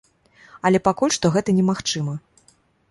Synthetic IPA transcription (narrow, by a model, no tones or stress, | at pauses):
ɐlʲɛpakulʲʂt̪ɔɣɛt̪ɐnʲɛmaxt͡ʂɨmɐ